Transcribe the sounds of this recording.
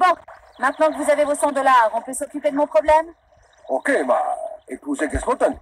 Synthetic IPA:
bɔ̃ | mɛ̃t̪nɑ̃kəvuzavevosɑ̃d̪ɔlaːʁɔ̃pøsɔkʲyped̪əmɔ̃pχɔblɛm | okema̰epuzeɡɛspɔ̃t̪an

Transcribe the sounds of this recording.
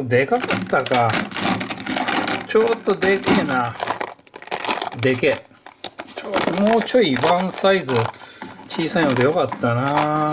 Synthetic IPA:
d̪e̞kakat̪ːaka | t͡ɕo̞ːt̪ːod̪e̞kena | d̪e̞ke | t͡ɕoːd̪omoːt͡ɕo̞iβãɰ̃saizɨt͡ɕiːsaĩɦod̪ejo̞kat̪ːana

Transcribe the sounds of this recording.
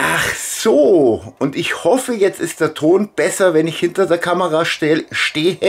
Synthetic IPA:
ʔaχsoːʊntɪçhɔfəjɛt͡stɪstd̥eːɐtʰoːnb̥ɛsɐvɛnɪçhɪntɐdeːɐkʰaməʁaːʃɛʃteːə

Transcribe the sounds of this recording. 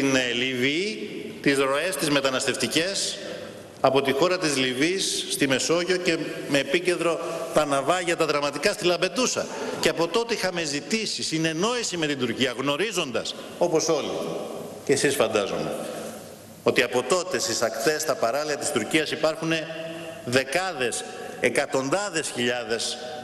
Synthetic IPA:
t̪inlivit̪izɾo̞e̞st̪izme̞t̪ɐnɐst̪e̞ft̪ice̞s | ɐpo̞t̪ixo̞ɾɐt̪izlivisːt̪ime̞so̞ʝo̞ce̞me̞ːpice̞nd̪ɾo̞t̪ɐnɐvɐʝɐt̪ɐðɾɐmɐt̪ikɐst̪ilɐmbe̞ðusɐ̰ceɐpo̞t̪o̞t̪eixɐme̞zit̪isisine̞no̞isime̞t̪ind̪uɾciɐɣno̞ɾizo̞nd̪ɐs | o̞po̞so̞lḭ | cesisfɐnd̪ɐzṵme̞̰ | o̞t̪iɐpo̞t̪o̞t̪e̞st̪isɐkt̪e̞st̪ɐpɐɾɐliɐt̪i̥st̪uɾciɐsipɐɾxune̞ðe̞kɐðe̞sekɐt̪o̞nd̪ɐðe̞sçiʎɐðe̞s

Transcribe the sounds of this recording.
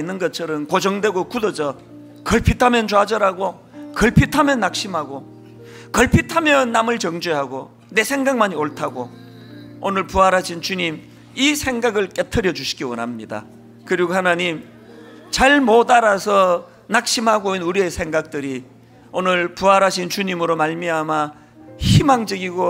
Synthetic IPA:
inːɯnɡʌt̚t͡ɕʰʌɾʌmkod͡ʑʌŋdwe̞ɡokudʌd͡ʑʌ | kʌɭpʰitʰamjʌnt͡ɕoad͡ʑʌɾaɡo | kʌɭpʰitʰamjʌnːak̚ɕ͈imɦaɡo | kʌɭpʰitʰamjʌnːamɯɭt͡ɕʌŋd͡ʑeɦaɡo | ne̞sʰe̞ŋɡaŋ̚maɲioɭtʰaɡo | onɯɭpuaɾaɕʰint͡ɕuɲim | isʰe̞ŋɡaɡɯɭk͈etʰɯɾjʌd͡ʑuɕʰi̥ɡiwʌ̰nɦamɲida̰ | kɯɾiɡohanaɲim | t͡ɕaɭmodaɾasʰʌ | nak̚ɕ͈imɦaɡoinuɾiesʰe̞ŋɡak̚t͈ɯɾi | onɯɭpuaɾaɕʰint͡ɕuɲimɯɾomaɭmiama | çimaŋd͡ʑʌɡiɡo

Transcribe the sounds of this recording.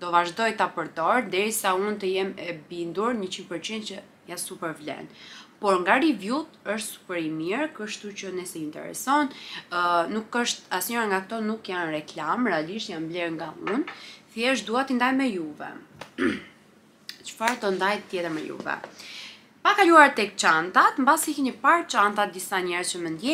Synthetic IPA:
d̪̥ɔvaʒd̪ɔjt̪apəɾd̪ɔɾd̪ɛɾisaunt̪əjɛmɛbind̪uɾɲət͡ɕinpəɾt͡ɕind̪t͡ɕə | jasupɛɾvlɛ̰npɔɾŋɡaɾivjut̪əʃt̪su̥pɛɾimiɾkəʃt̪ut͡ɕənɛsɛint̪ɛ̰ɾɛ̰sɔn | nukəʃt̪asɲɔɾaŋɡakt̪ɔnukjanrɛklamɾɛaliʃt̪janblɛɾŋɡaunθjɛʃ̬t̪d̪uat̪ind̪ajmɛjuvɛ̰ | t͡ʃə̥faɾt̪ɔnd̪ajt̪jɛt̪əɾmɛjṵvɛ̰ | pakaluaɾt̪ɛk̚t͡ʃant̪at̪mbasikinəpaɾt͡ʃant̪at̪̚d̪isaɲɛɾzt͡ɕəmənd̪jɛ

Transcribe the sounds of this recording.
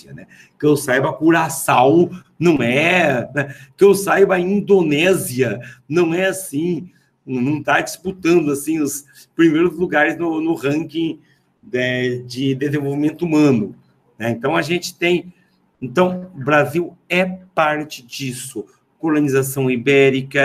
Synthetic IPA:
siɐ̰nɛ | kẽwsajbɐkuɾasaw | nɐ̃w̃ɛnɛkẽwsajbɐẽĩnd̪onɛziɐnɐ̃w̃ɛasĩ | nɐ̃w̃t̪ad͡ʒisput̪ɐ̃nd̪ʊasĩʊs | pɾimejɾʊzluɡaɾɪznʊnʊhɐ̃kĩ | d̪ɛd͡ʒɪd̪ezẽvowvimẽnt̪ʊumɐ̃nʊ | nɛẽnt̪ɐ̃w̃ɐʒẽnt͡ʃɪ̥t̪ẽj̃ | ẽnt̪ɐ̃w̃bɾaziwɛpaɾt͡ʃɪd͡ʒisʊ | kolonizasɐ̃w̃ibɛɾikɐ

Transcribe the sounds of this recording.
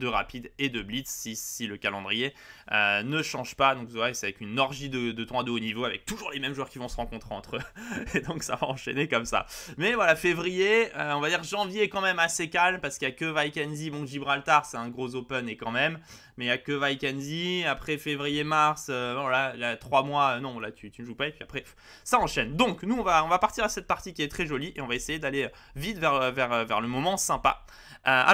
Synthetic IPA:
d̪əʁa̰pid̪ed̪əblit̪sisiləkalɑ̃d̪ʁijeønəʃɑ̃ʒpad̪ɔ̃kvwalasɛavɛkynɔʁʒid̪əd̪ət̪χwad̪oːnivoavɛk̚t̪uʒuʁlemɛmʒwœʁkʲivɔ̃səʁɑ̃kɔ̃t̪χeɑ̃t̪χøed̪ɔ̃ksa̰va̰ɑ̃ʃḛnekɔmsa̰mɛvwalafevʁijeøɔ̃vad̪iʁʒɑ̃vjeɛkɑ̃mɛmasekalmpaʁsə̥kəijakəvajkʲɛnzibɔ̃ʒibʁalt̪aʁsɛt̪ɛ̃ɡʁozopɛnɛkɑ̃mɛmː | ɛjakəvajkʲɛnziapχɛfevʁijemaʁsøvvwalailat̪χwamwaønɔ̃vala̰t̪ʰyt̪ynəʒupaepɥiapχɛ | saɑ̃ʃɛnd̪ɔ̃knuɔ̃vaɔ̃vapaʁt̪iʁasɛt̪̚paʁt̪ikʲiɛt̪χɛʒɔliʔeɔ̃vaesejed̪aleø | vit̪vɛʁøvɛʁøvɛ̰ʁləmɔmɑ̃sɛ̃pa̰ | øa̰

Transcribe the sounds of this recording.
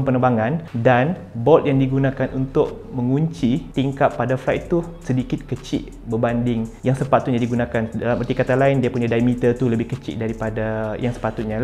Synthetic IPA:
mpənəbaŋandan | bɔt̪̚jaŋdiɡunãkanʔunt̪ʊʔ | məŋuɲt͡ʃit̪iŋkap̪pːadaflajʔ̪t̪usədikɪt̪̚kət͡ʃɪ̰ʔ | bəbandɪŋjaŋsəpat̪ut̪̚ɲadiɡunãkandalamərt̪ikat̪alaɪndiapuɲãdajmit̪ərt̪uləbɪhkət͡ʃɪ̰ʔdaɾipadajaŋsə̥pat̪ut̪̚ɲã

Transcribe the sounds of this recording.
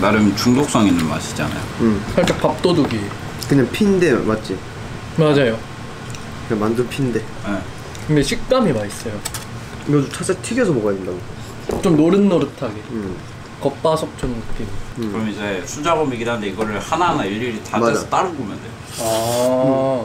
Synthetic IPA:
naɾɯmnt͡ɕuŋdok̚s͈ʌŋinːɯnma̰ɕʰi̥d͡ʑa̰na̰jo̰ɯmkʰank͈apap̚t͈oduɡi | kɯɲaŋpʰindemat̚t͡ɕ͈i | mad͡ʑajo | kamandɯnpʰinde̞ | je | kɯnde̞ɕʰik̚t͈amimais͈ʌjo | ɡʌd͡ʑut͡ɕʰat͡ɕ͈atʰiɡesʰʌmoɡaindaɡo | t͡ɕomnoɾɯnːʌɾɯtʰaɡe̞ | kʌp͈asʰʌk̚t͡ɕ͈omkɯk͈iniɯɾʌmnid͡ʑesʰud͡ʑabʌmiɡinanɯnde̞iɡʌɾɯɭhananaiʎːiɾitamaat͈aɾɯnɡomjʌndeo | a

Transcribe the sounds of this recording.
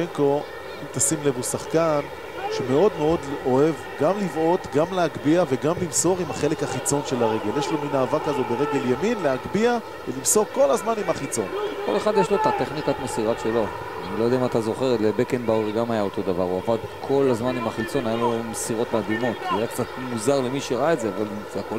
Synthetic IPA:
eŋko̞ | imt̪asimle̞vusaχkan | ʃemeo̞d̪meo̞d̪o̞e̞v | ɡamlivo̞t̪ɡamlehaɡbiaveɡamlimso̞ʁimaχe̞le̞khaχit͡so̞nʃe̞laʁe̞ɡe̞ljeʃlo̞minaːvakazo̞beʁeɡe̞ljaminleaɡbia | velimso̞ʁko̞lazmanimhaχit͡so̞nko̞le̞χad̪jeʃlo̞et̪at̪eχnikat̪mesiʁaʃelo̞ | anilojd̪ɛamat̪azo̞χe̞ʁtlebekembauʁiɡamajao̞to̞d̪avaʁuavad̪kʰo̞lazmanimaχit͡so̞najalomesiʁo̞t̪mad̪imo̞t̪iajakt͡sat̪muzaʁlemiʃeʁaaetzeaval | zako

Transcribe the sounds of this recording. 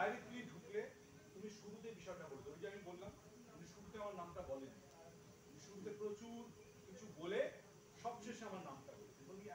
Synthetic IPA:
ajɾek̪ɾiɖʱukle | t̪umiʃuɾut̪̬ebiʃɔeʈakoleumid͡ʑaminbolːam | uniʃuɾut̪eamaɾnamʈabɔlenːi | t̪umiʃuɾut̪epɾot͡ɕuɾ | kit͡ɕʰubole | ʃɔbʃeʃamaɾnamʈakol | oni

